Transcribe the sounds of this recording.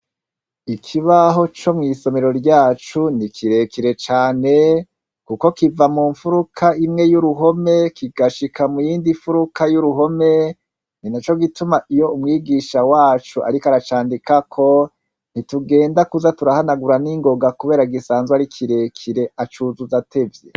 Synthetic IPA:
ikʰiβaɦo̞t͡ʃo̞mŋiːso̞me̞ɾo̞ɾɟaːt͡ʃunikʰiɾe̞kiɾe̞t͡ʃaːne̞ | kuko̞kivamuːɱfuɾukʰaimŋe̞juɾuɦo̞me̞kiɡaʃikʰamujiːndiɱfuɾukʰajuɾuɦo̞me̞ | ninat͡ʃo̞ɡitumaʔijo̞umŋiːɡiʃawaːt͡ʃuʔa̰ɾikaɾat͡ʃaːndikakʰo̞ | n̥ituɡe̞ːndakuzatuɾahanaɡuɾaniŋɡo̞ɡakuβe̞ːɾaiɡisaːnzwaɾikʰiɾe̞kʰiɾe̞at͡ʃuːzuzatʰe̞vjḛ

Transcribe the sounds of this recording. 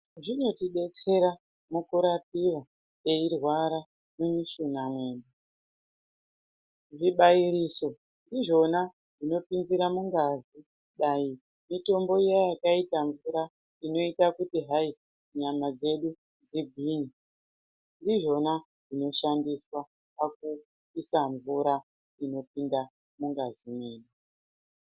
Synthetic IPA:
ʐino̞tiɓe̞t͡se̞ɾa | mukuɾap̚iwa | eirwaɾa | nemiʃunamweːnda | ʐiɓaiɾiːso̞ | ndiʐo̞na | ʐino̞pinziɾamuŋɡazi | ɗai | mito̞mbo̞jajakaitaɱvuɾa | ino̞itakutiɦai | ɲamad͡ze̞ɗu | nd͡ziɡ̚ʱiːni | ndiʐo̞na | ʐino̞ʃandiswa | pak̚u | isaɱvuɾa | ino̞pinda | muŋɡazimweːne

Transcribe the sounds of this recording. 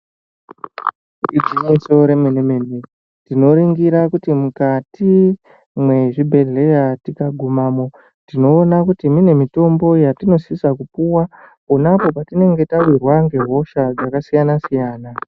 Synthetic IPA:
id͡ziɲiso̞ɾe̞menemene | tino̞ɾiŋɡiɾakutimukati | mwe̞ʐibʱe̞ɮe̞jatikaɡʱumamo̞ | tino̞ːnakutimine̞mito̞mbo̞jatino̞sisakupuwa | onapo̞patine̞ŋɡe̞tawirwaŋɡe̞ɦo̞ʃad͡zakasijanasijaːna

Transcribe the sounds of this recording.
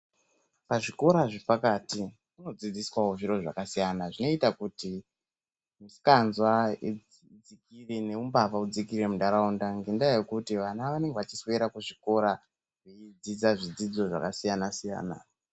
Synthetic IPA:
paʐiko̞ɾaʐepakati | muno̞d͡zid͡ziswawoʐiɾo̞ʐa̰kasijanaʐino̞itakuti | musi̥kanzwai | d͡zikirene̞umbapaud͡zikiɾemudaɾaundaŋɡindajekutiʋanaʋane̞ŋɡeʋat͡ʃisweɾakuʐiko̞ɾa | ʐeid͡zid͡zaʐid͡zid͡zo̞ʐa̰kasijanasija̰ːna̰

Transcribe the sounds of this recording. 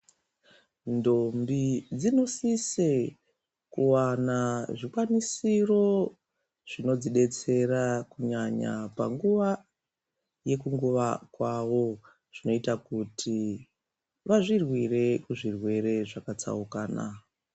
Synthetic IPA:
ndombid͡zino̞sise | kuwanaʐikwanisiro̞ | ʐ̥ino̞d͡ziɗe̞t͡se̞rakuɲaɲa̰pa̰ŋɡuʋa | je̞kuŋɡuʋakwaʋo̞ | ʐ̥ino̞itakutʰi | ʋaʐirwire̞kuʐirwe̞re̞ʐakat͡sa̰ukaːna̰

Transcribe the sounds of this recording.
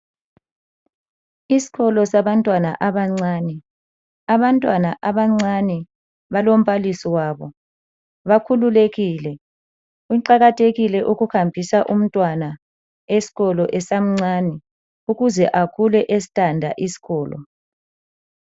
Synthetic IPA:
isi̥ɣɔlɔsaβantʼwana̰ʔaβaŋ͡ǀaːnɛ | aβantʼwana̰ʔaβaŋ͡ǀanɛ | βalom̩βalisiwaβɔ | βakʰululeɣilɛ | uǃaɣatʰeɣilɛʔuɣuhambʱisaʔum̩tʼwana | esi̥ɣɔlɔʔɛsam̩ŋ͡ǀaːnɛ | uɣuzɛʔakʰulɛʔesi̥tʰʼandʱa̰ʔisi̥ɣɔːlɔ̰

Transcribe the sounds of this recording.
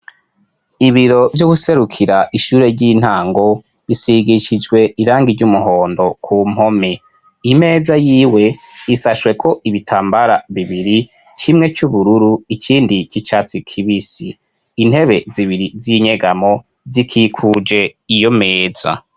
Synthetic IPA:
iβiɾo̞vjoɡuse̞ɾukʰiɾaʔiʃuːɾe̞ɾɟin̥haːŋɡo̞ | βisiɡiʃid͡ʒɡwe̞iɾaːŋɡiɟumuɦo̞ːndo̞kʰuːm̥ho̞me | ime̞ːzajiːwe̞ | isaʃwe̞kʰo̞ʔiβitʰaːmbaɾaβiβiɾi | t͡ʃimŋe̞t͡ʃuβuɾuɾuikʰiːndikit͡ʃat͡sikʰiβisiː | n̥he̞βe̞ziβiɾiziɲe̞ɡamo̞ | zikʰiːkʰud͡ʒe̞ijo̞meːza̰

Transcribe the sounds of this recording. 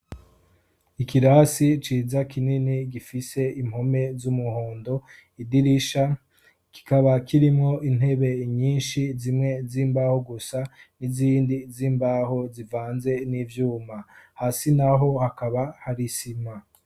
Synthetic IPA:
ikiɾasit͡ʃiːzakininiɡifise̞im̥ho̞me̞zumuhoːndo̞ | idiɾiʃa | ki̥kaβakiɾimŋo̞ʔin̥he̞βe̞ɲiːnʃizimŋe̞ziːmbahoɡusaniziːndiziːmbaɦo̞zivaːnze̞nivjuːmahasinaɦo̞hakaβahaɾisima

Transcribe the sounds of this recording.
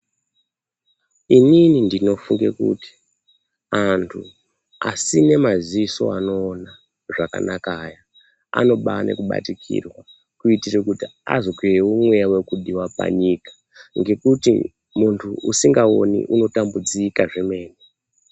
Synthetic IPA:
ininindino̞fuŋɡe̞̰kṵti̥ | antʰu | a̰sine̞maziiso̞̰ano̞ːna | ʐaka̰nakaːja | a̰no̞ɓane̞̰kuɓa̰tikʰḭrwa | kuitirekutia̰zo̞kireumwejawekuɗiwapa̰ɲikḁ | ŋɡe̞kutḭ | muntʰuusiŋɡao̞nḭʔuno̞tambud͡zikaʐeme̞ːne

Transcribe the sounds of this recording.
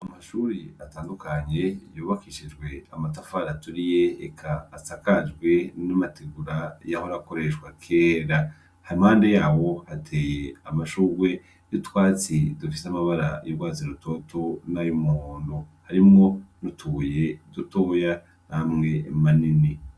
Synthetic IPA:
amaʃuːɾiataːndukaɲe̞juːβakiʃid͡ʒɡwe̞amatafaɾatuɾije̞̰ːkʰaːsakad͡ʒɡwe̞namatʰeɡuɾajahoɾako̞ɾe̞ʃwakʰeːɾa | haɾimhaːnde̞jaːwo̞hatʰeːjeamaʃuːɾɡwe̞ | jutwaːt͡sidufisamaβaɾa̰joɾɡwaːt͡siɾuto̞tʰonajumuoːndohaɾimŋo̞nutʰuje̞dutoːja | namŋe̞manini

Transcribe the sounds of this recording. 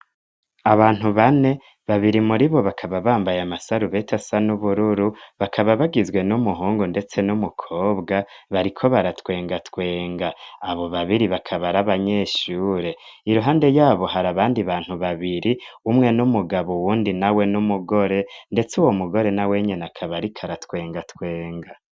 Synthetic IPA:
aβaːn̥huβane̞ | βaβiɾimuɾiβo̞βakʰaβaβaːmbajamasaɾuβe̞tʰasanuβuɾuɾuβakʰaβaβaɡizɡwe̞numuɦuːŋɡunde̞t͡se̞numukʰo̞ːbɡa | βaɾikʰo̞βaɾatwe̞ːŋɡatwe̞ːŋɡaːβo̞βaβiɾiβakʰaβaɾaβaɲe̞ːʃuːɾe̞ | iɾuɦaːnde̞jaːβo̞haɾaβaːndiβaːn̥huβaβiɾiumŋe̞numuɡaβowuːndinawe̞numuɡo̞ɾe̞nde̞t͡suwomuɡo̞ɾe̞nawe̞ɲenakʰaβaɾikʰaɾatwe̞ːŋɡatwe̞ːŋɡa

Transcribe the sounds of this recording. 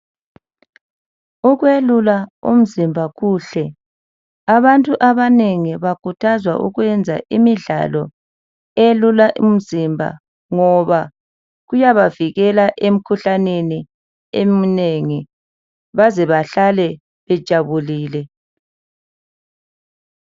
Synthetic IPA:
uɣwelulaṵm̩zimbʱaɣuːɬɛ | aβantʼuʔaβaneŋiβakʰʼutʰazwa̰ʔṵɣwɛnd͡zʱa̰ʔimiɮa̰lɔ | elulaʔṵm̩zimbʱa̰ | ŋɔβa | ɣujaβaviɣɛlaʔem̩kʰuɬaneni | emineŋi | βazɛβaɬalɛ | βɛd̥ʒ̥ʱaβuliːlɛ

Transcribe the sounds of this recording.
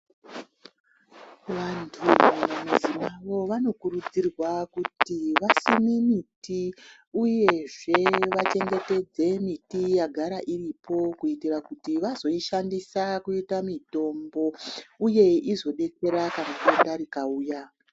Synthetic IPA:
ʋantʰumanemuzimaʋo̞ʋano̞kurud͡zirwakutiʋasimimiti | uje̞ʐe̞ʋat͡ʃe̞ŋɡe̞te̞d͡ze̞mitijaɡʱaɾaʔiripo̞kuitirakutiʋazo̞iʃandisakuitamito̞mbo̞uje̞izo̞ɗe̞ke̞ɾakanakondaɾikauːja

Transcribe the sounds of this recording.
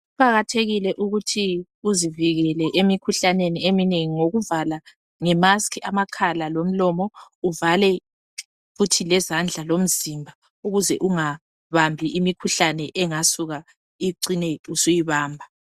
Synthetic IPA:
upaɣatʰeɣilɛʔuɣutʰi | uziviɣɛlɛʔemikʰuɬaneniemineŋiŋoɣuvala | ŋɛmaskʰiamakʰalalom̩lɔmɔuvalɛ | futʰilɛzand͡ɮʱalom̩zimbʱa | uɣuzɛʔuŋa | βambʱiʔimikʰuɬanɛʔɛŋasuɣa | iǀineusujiβaːmbʱa

